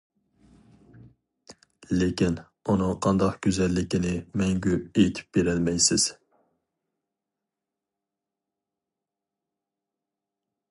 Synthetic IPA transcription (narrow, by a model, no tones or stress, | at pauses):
lekʲin | unɨŋqʰɑnd̪ɑqɡ̥ʲøzɛlːɪkʲinɪmɛŋɡʲyejt̪ʰy̥p̚beɾɛlmɛjsɪz̥